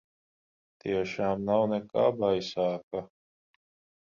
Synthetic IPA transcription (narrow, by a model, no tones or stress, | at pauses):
t̪iɛʃaːmnawnɛka̰ːbajsaːka